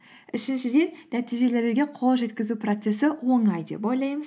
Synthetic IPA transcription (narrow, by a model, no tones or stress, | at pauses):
ɪʃɪnʃɪd̪e̞nnæt̪ijʒe̞le̞ɾɡʲe̞qʰo̞lˠʒe̞t̪kʲɪzupro̞t̪se̞sɪwo̞ɴɑjd̪e̞̰pojlˠɑjməz